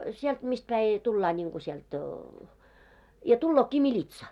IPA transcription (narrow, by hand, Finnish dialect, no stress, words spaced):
sielt mist pæi tulːɑː nʲiŋɡ̊u siɛlt jɑ tulːoːkːi milʲitsɑ